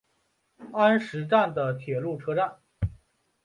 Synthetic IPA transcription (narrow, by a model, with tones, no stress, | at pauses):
a˥nʂɻ̩˧˥ʈ͡ʂa˥˩nd̪ə˩t̪ʰjɛ˨˩lu˥˩ʈ͡ʂʰɤ˥ʈ͡ʂa˥˩n